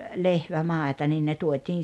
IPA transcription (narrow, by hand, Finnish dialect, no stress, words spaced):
lehʋæmɑˑetɑ nin ne tuotʲiːn̞